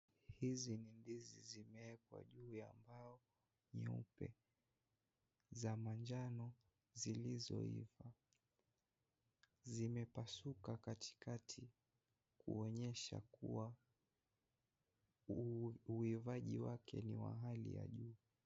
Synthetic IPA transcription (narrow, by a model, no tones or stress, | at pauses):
hizinindizizimɛɛkwa̰ʄuːjambaɔ | ɲiupɛ | zamand͡ʒanɔ | zilizɔ̰ḭva | zimɛpasukakatʰi̥katʰi | kuɔɲɛʃa̰kuwa | uivaʄiwakʰɛniwa̰ɦalḭja̰ʄuː